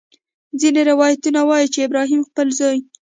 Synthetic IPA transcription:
zineɾɪwɑjat̪unawɑjit͡ʃeɪbɾɑɦimxpəlzɑj

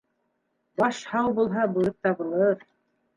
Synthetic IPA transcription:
bɑʃhɑwbulˠɦɑbulˠɤp̚t̪ɑbŭlˠɤɾ

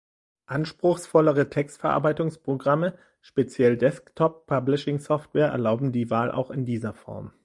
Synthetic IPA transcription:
ʔanʃpʁ̥ʊxsfɔləʁətʰɛkstfɛɐʔa̰ɐbaɪtʊŋspʁ̥oɡʁamə | ʃpet͡sjɛldɛsktʰɔpʰːablɪʃɪŋsɔftv̥ɛːɐʔɛ̰ɐlaʊbm̩diːvaːlʔa̰ʊxɪndiːzɐfɔ̰ɐm

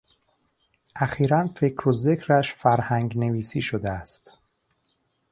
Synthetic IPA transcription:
ʔæxiːɾænfe̞cʰɾoze̞cʰɾæʃfæɾhæŋɡne̞viːsiːʃod̪eæst̪

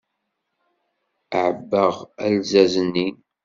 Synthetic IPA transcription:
əʕəbːəʁælzæzənːin

